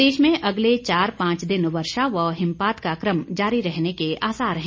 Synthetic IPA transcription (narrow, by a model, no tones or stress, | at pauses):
eːʃmẽʔɐɡlet͡ʃaːɾpãːt͡ʃd̪ɪnʋɐɾʃaʋəɦɪ̃mpaːt̪kakɾəmd͡ʒaːɾiɾɛɦnekeʔaːsaːɾɦɛ̃ː